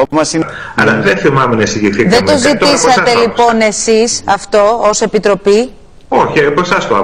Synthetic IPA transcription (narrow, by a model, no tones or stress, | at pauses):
opumɐsinɐ̰lɐðeθimɐmenɐisiʝiθiðed̪o̞zit̪isɐt̪e̞lipo̞ne̞sisɐft̪o̞ose̞pit̪ɾo̞pi | oçiposɐst̪oɐ̰